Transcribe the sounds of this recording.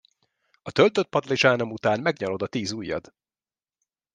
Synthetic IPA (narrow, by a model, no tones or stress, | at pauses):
ɒt̪ølt̪øt̪̚pɒd̪liʒaːno̞mut̪aːnmɛɡɲɒlo̞d̪ɒt̪iːzuːjːɒ̰d̪